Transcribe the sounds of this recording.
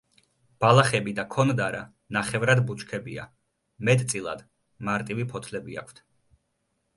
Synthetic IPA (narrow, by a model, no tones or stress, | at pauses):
b̥alˠaχɛbid̪akʰɔnd̪aɾa̰ | naχɛvɾad̪but͡ʃʰkʰɛbia̰ | mɛt̪ʼt̪sʼilˠa̰d̪̥ | maɾt̪ʼivipʰɔt̪ʰlɛbia̰kʰt̪ʰ